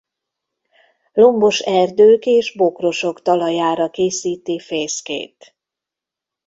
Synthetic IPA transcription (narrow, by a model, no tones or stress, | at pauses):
lo̞mbo̞ʃɛrd̪øːkeːʒbo̞kro̞ʃo̞kt̪ɒlɒjaːɾɒkeːsiːt̪ifeːskḛːt̪